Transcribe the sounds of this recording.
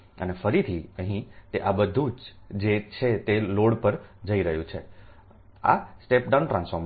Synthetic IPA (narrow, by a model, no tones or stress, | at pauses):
ə̰nefəɾit̪ʰiəɦĩt̪eʔabəd̪ʱũd͡ʒ | d͡ʒet͡ʃʰet̪eloɽpəɾd͡ʒəiɾəɦjũt͡ʃʰe | a̰sʈepɖawnʈɾãnsfoɾm